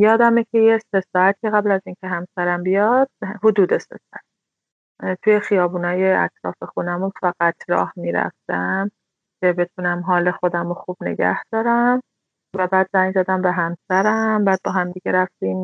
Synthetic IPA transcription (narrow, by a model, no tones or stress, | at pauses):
jɒːd̪æmecʰejese̞sɒːæt̪ʰiɣæblæziːncʰe̞ɦæmsæɾæmbijɒd̪̥̚hod̪uːd̪e̞sḛsɒæt̪̚ʰ | t̪ʰuːje̞xijɒːbuːnɒːjeæ̰t̪ʰɾɒ̰ːfe̞xunæmunfæɣ̥æt̪ʰɾɒ̰ːhmiːɾæ̰ft̪æm | cʰe̞be̞t̪ʰunæmɦɒːle̞xo̞d̪æmoxuːb̥ne̞̰ɡæ̰hd̪̥ɒːɾæm | væbæːd̪zæjzæd̪æmbe̞ɦæmsæɾæmbæːd̪̚bɒːɦæmd̪iɟeɾæft̪iːm